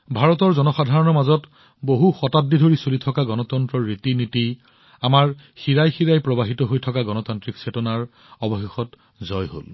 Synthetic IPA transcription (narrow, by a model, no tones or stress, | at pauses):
bʱaɹɔtɔɹzɔnɔxadʱaɹɔnɔmazɔt | boɦuxɔtatːidʱoɹisolitʰɔkaɡɔnɔtɔntɹɔɹitiniti | amaɹ | xiɹajxiɹajpɹɔbaɦitɔɦojtʰɔkaɡɔnɔtantɹiksetɔnaɹ | ɔbɔxexɔt | zɔjɦo̰l